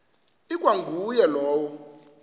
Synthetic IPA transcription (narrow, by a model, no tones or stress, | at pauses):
ikʼwaŋɡʱujɛlɔːwɔ